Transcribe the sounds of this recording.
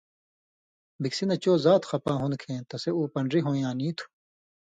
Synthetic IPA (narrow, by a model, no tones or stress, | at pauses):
biksinɐt͡ɕoːzaːt̪xɐpãːɦunkʰẽːt̪ɐseuːpɐɳɖɾiɦõːjãːnĩːt̪ʰu̥